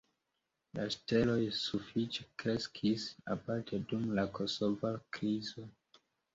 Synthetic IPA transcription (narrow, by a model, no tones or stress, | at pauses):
laʃte̞lo̞jsufit͡ʃe̥kɾe̞skʰisa̰paɾtʰedumlako̞so̞vakɾizo